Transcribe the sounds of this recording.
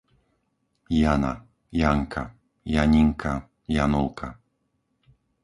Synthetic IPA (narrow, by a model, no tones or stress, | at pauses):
jana̰ | jaŋkʰa | jaɲɪŋkʰa | janʊlkʰa